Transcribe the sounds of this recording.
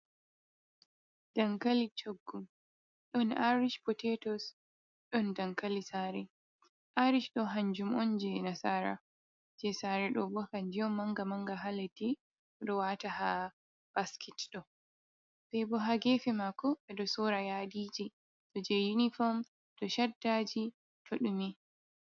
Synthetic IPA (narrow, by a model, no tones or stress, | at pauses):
d̥aŋkalit͡ʃoɡːum | ɗɔnaɾiʃpɔtɛtɔs | ɗɔndaŋkalisaːɾɛ | ʔaɾiʃɗɔɦaɲd͡ʒumɔnd͡ʒɛnasaːɾa̰ | d͡ʒɛsaɾɛɗɔbɔkand͡ʒijɔmːaŋɡamaŋɡaɦaleti | ɔɗɔwaːtaha | b̥askʰɛtɗɔ | ɓɛbɔɦaɡɛːfɛmakɔɓɛɗɔsɔːɾajaːdid͡ʒi | sɔd͡ʒɛjunifɔm | d̥ɔʃadːaːd͡ʒi | tʰoɗumi